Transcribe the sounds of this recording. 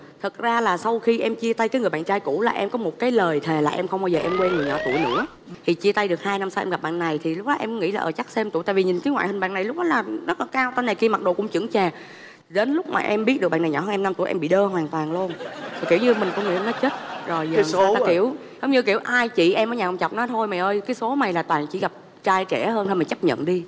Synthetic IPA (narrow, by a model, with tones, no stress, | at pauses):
t̪ʰɨ˨˩t̚zaː˧laː˨˩sa˧wxi˧ʔɛ˧mt͡ɕi˧ət̪a˧jkaː˨˦jŋɨ˨˩əjɓa̰ː˧˨nt͡ɕaː˧jkṵ˧˥laː˨˩ʔɛ˧mkɔ˨˦mo˨˩t̚kaː˨˦jləː˨˩jt̪ʰe˨˩laː˨˩ʔɛ˧mxə˧wŋ͡mɓa˧zəː˨˩ʔɛ˧mkwɛ˧nŋ˨˩əɲɔ̰˧˩t̪u˧˩əjnɨ̰˧˥ə | t̪ʰi˨˩t͡ɕi˧t̪a˧jɗɨ˨˩k̚haː˧jna˧msa˧wʔɛ̰˧mɣ̚ɓa̰ː˧˨nːa˨˩jt̪ʰi˨˩lʊ˦˥k͡p̚ɗɔ˨˦ʔɛ˧m˦ŋḭ˧˥laː˨ʔəː˧˩t͡ɕa˦˥k̚sɛ˧mt̪ṵ˧˩jt̪a̰ː˧˨vi˨˩ɲï˨˩ŋ̟kaː˨˦ŋwa̰ː˧˨jhi˨ŋ̟ɓa̰ː˧˨na˨˩jlʊ˦˥k͡p̚ɗɔ˨˦laː˨˩zə˦˥t̚laː˨˩kaː˧wt̪aː˧jna˨˩jki˧əma˨˩t̚ɗo˨˩kʊ̰˧˥ŋ͡mt͡ɕɨ̰˧˩əŋt͡ɕaː˨˩ | ɗe˨˦nlʊ˦˥k͡p̚ma̰ː˨˩ʔɛ˧mɓi˦˥t̚ɗɨ˨˩k̚ɓ̰ːna˨˩ɲɔ̰˧˩əː˧ʔɛ˧na˧mt̪u˧˩əʔɛ˧mɓḭ˧˨ɗəː˧waː˨˩nt̪waː˨˩ŋlu˧əno˨˩ki˧˩wɲɨ˧mï˨˩ŋ̟kʊ˧˦ŋḭ˧˨˧nɔ˨˦t͡ɕe˦˥t̚zo˨˩ja̰˧ki˧˩˨əw | hə˧wŋ͡mɲɨ˧ki˧˩əwʔaː˧jt͡ɕḭ˧˨ʔɛ˧məː˨˦jɲaː˨˩˨ŋ͡mt͡ɕa˨˩k͡p̚nɔ˨˦t̪ʰo˧jma˨˩ʔəː˧jkaː˨˦jso˨˦ma˨˩jlaː˨˩t̪waː˨˩ŋt͡ɕḭ˧˥ɣa˨˩p̚ | t͡ɕaː˧jt͡ɕɛ˧˩həː˧nha˧jmaː˨˩t͡ɕa˦˥p̚ɲə̰˧˨nɗi˧